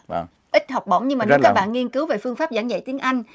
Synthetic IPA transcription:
ʔï˦˥t̟̚hɔ˨˩wk͡p̚ɓə̰˧˩ŋ͡mɲɨ˧ŋmaː˨˩˨kːaː˦˧˩kɓa̰ː˧˨nŋi˧ənkɨ˨˦wve˨˩fɨ˧əŋfaː˦˥p̚zaː˧˩ŋza̰˧˨jt̪i˨˦ənʔa˧jŋ̟

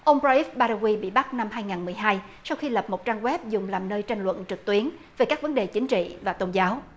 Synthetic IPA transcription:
ʔə˧wŋ͡mzɔ˧ʔi˦˥f̚ɓaː˧ɾa˧ɣwi˧ɓḭ˧˨ɓa˦˥t̚na˧mɦaː˧jŋaː˨˩nmɨ˨˩əjɦaː˧jsa˧wxi˧lə˨˩p̚mo˨˩t̚t͡ɕaː˧ŋɣwɛ˦˥p̚zʊ˨˩ŋ͡mlaː˨˩mnəː˧jt͡ɕa˧jŋ̟lwə̰˧˨nt͡ɕɨ˨˩k̚t̪wi˨˦ənveː˨˩kaː˦˥k̚və˨˦nɗe˨˩t͡ɕï˨˦ŋ̟t͡ɕḭ˧˨vaː˨˩t̪o˧nzaː˨˦w

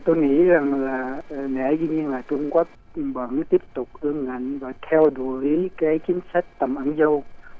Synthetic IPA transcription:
t̪o˧jŋḭ˧˥za˨˩ŋlaː˨˩˨ɗḛ˧˩˥zɨ˧ɲi˧ənlaː˨˩t͡ɕʊ˧ŋ͡mka˦˥k̚ɓə̰˧˩nt̪i˦˥əp̚t̪ʊ˨˩k͡p̚ʔɨ˧əŋːa̰˧˨jŋ̟vaː˨˩t̪ʰɛ˧wɗu˧˩˦kaː˨˦jt͡ɕï˨˦ŋ̟sa˦˥jk̟̚t̪ə˨˩mʔə˧˩˦nzə˧w

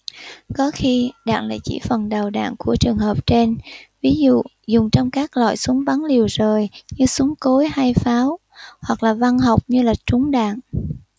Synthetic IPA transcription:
kɔ˨˦xi˧ɗa̰ː˧˨ŋla̰ː˧˨jt͡ɕḭ˧˩fə˨˩nɗə˨˩wɗa̰ː˧˨ŋku˧˩ət͡ɕɨ˨˩əŋɦəː˨˩p̚t͡ɕe˧nvi˨˦zṵ˧˨ | zʊ˨˩ŋ͡mt͡ɕɔ˧wŋ͡mkaː˦˥k̚lɔ̰˧˨jsu˨˦əŋɓa˨˦nli˨˩əwzəː˨˩jɲɨ˧su˨˦ŋko˨˦jha˧jfaː˨˦w | hwa˨˩k̚laː˨˩va˧nɦa˨˩wk͡p̚ɲɨ˧laː˨˩t͡ɕʊ˨˦ŋɗa̰ː˧˨ŋ

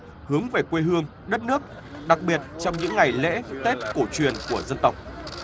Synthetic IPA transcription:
hɨ˨˦əŋve˨˩kwe˧ɦɨ˧əŋ | ɗə˦˥t̚nɨ˦˥ək̚ | ɗa˨˩k̚ɓi˨˩ət̚t͡ɕɔ˧wŋ͡mɲɨ̰˧˥ŋːa˨˩jlḛ˧˥t̪e˦˥p̚ko˧˩t͡ɕwi˨˩ənku˧˩əzə˧nt̪ə˨˩wk͡p̚

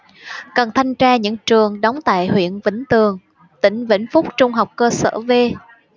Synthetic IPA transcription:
kə˨˩nt̪ʰa˧jŋ̟t͡ɕaː˧ɲɨ̰˧˥ŋt͡ɕɨ˨˩əŋɗɔ˨˦wŋ͡mt̪a̰ː˧˨jhwḭ˧˨ənvḭ̈˧˥ŋ̟t̪ɨ˨˩əŋ | t̪ï˧˩ŋ̟vḭ˧˥ŋ̟fʊ˦˥k͡p̚t͡ɕʊ˧ŋ͡mɦa˨˩wk͡p̚kəː˧sə̰ː˧˩ve˧

